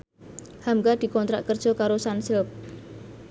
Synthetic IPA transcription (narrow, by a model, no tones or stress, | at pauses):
hamɡad̪̥i̤kɔnt̪ɾaʔkərd̥ʒ̥ɔ̤kaɾosansɪlp̚